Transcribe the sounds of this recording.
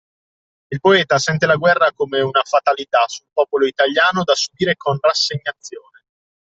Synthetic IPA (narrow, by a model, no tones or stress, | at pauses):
ilpoɛːt̪asɛnt̪elaɡwɛrːakomeunafat̪alit̪asulpɔːpoloit̪aʎjaːnod̪asubiːɾekʰonrasːeɲːat̪sːjoːne